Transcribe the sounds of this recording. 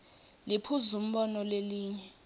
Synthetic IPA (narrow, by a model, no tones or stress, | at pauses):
lipʰuzum̩ɓɔnɔleliːɲɛ